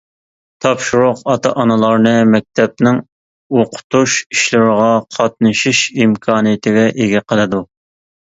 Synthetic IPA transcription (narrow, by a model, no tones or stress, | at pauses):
t̪ʰɑpʃuɾʊqɑt̪ʰɑʔɑnɨlˠɑɾnɨmɛk̚ʲt̪ʰɛp̚nɪŋ | oqʰʊ̥t̪uʃiʃlɪɾəʁɑqʰɑt̪̚nɨʃiʃimkʰɑːnɨjɪt̪ʰɪɡʲɛʔeɡʲɛqʰəlˠɨd̪u